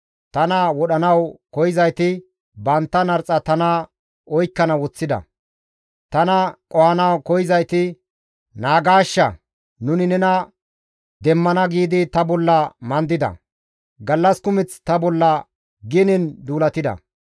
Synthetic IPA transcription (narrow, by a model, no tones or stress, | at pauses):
t̪ɐnɐwɔɗɐnɐwkɔjɪzɐjt̪ɪ | bɐnt̪ːɐnɐɾt͡sʼɐt̪ɐnɐ | ɔjkːɐnɐwɔt͡sːɪd̪ɐ̰ | t̪ɐnɐkʼɔhɐnɐwkɔjɪzɐjt̪ɪ | naːɡaːʃːɐ | nʊnɪnɛnɐ | d̪ɛmːɐnɐɡiːd̪ɪt̪ɐbɔlːɐmɐnd̪ɪd̪ɐ̰ | ɡɐlːɐskʊmɪt͡st̪ɐbɔlːɐ | ɡɪnɪnd̪uːlɐt̪ɪd̪ɐ̰